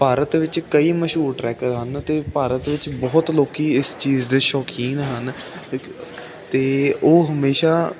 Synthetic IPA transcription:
paːɾət̪ʋɪt͡ʃkəiːməʃuːɾʈɾɛːkəɾɦənt̪eːpaːɾət̪ʋɪt͡ʃbɔːt̪loːkiːɪst͡ʃiːzd̪eːʃɔːkiːnɦən | t̪eːoːɦəmeːʃaː

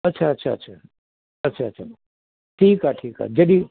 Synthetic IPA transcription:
ɐtːʃʰaɐtːʃʰaɐ̰tːʃʰa | ɐtːʃʰaːtːʃʰa | ʈʰiːkaʈʰiːka̰ːd͡ʒɐd̪i

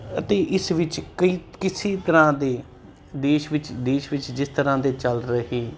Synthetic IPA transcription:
ət̪eːʔɪsʋɪt͡ʃkəiːkɪseːt̪əɾãːd̪eː | d̪eːʃʋɪt͡ʃd̪eːʃʋɪt͡ʃd͡ʒɪst̪əɾãːd̪eːt͡ʃəlɾəɦeː

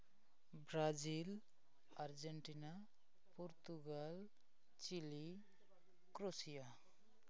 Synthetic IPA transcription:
bɾad͡ʒil | aɾd͡ʒeɳʈina | poɾt̪uɡal | t͡ʃili | kɾosija

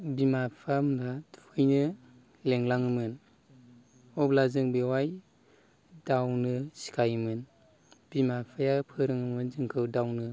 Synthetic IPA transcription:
bimapʰamdatʰu̥kʰɯjnɯ | leŋlaŋɯmɯn | ɔblazɯŋbewaj | dawnɯsi̥kʰajmɯn | b̥imapʰajapʰɯɾɯŋɯmɯnzɯŋkʰɯwdawnɯ

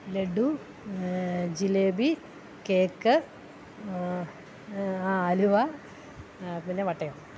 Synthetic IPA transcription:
leɖu | d͡ʑileːbi | keːkːɨ | aːluʋa | pinːeʋɐʈːɐjo

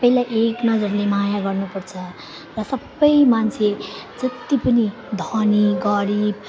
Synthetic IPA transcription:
pʌjlajʔeknʌd͡zʌɾlemajaɡʌrnupʌrt͡sʰʌ | rʌsʌbːʌjmant͡sʰed͡zʌt̪ipʌni | d̪ʱʌniɡʌɾib

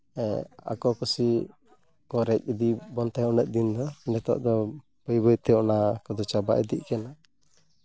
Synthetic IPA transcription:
ɛa̰kɔkusi | kɔɾɛc̚ˀid̪ibɔnt̪ajɔnəʔ̪̚d̪ind̪ɔnɛt̪ɔ̰ʔd̪ɔ | bəjbəjt̪ɛɔnakɔd̪ɔt͡ʃaba̰ʔɛ̰d̪iʔkɛna

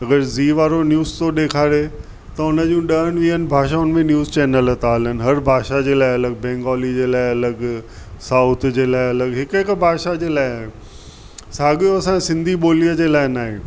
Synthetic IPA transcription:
ɐɡəɾziːʋaːɾonjuːzt̪oɗeːkʰaːɾe | t̪ɐʊnəd͡ʑũɗɐəɽ̃ʋĩːənɪ̆bʱaːʃ̬aʊnmẽnjuːzt͡ɕɛːnələt̪aːlənɪ̆ɦɐɾbʱaːʃad͡ʑeːlaːɪɐləɡ̚bɛ̃ːŋɡɔːlid͡ʑeːlaːɪɐləɡ | saːʊt̪ʰd͡ʑeːlaːɪɐləɡɦɪkɦɪkbʱaːʃad͡ʑeːlaːɪaːõ | saːɠijoɐsãsɪ̃nd̪ʱiɓoːlijəd͡ʑeːlaːɪnaːɦḛ

